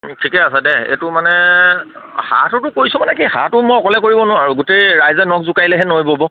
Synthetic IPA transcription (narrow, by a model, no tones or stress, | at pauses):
tʰikɛasadɛḛtʊmanɛ | ha̰tʊtʊkojsʊmanɛkiha̰tʊmojɔkɔlɛkoɹibɔnʊaɹuɡutejɹajzɛnɔk̚zukajlɛɦɛnojbɔbɔ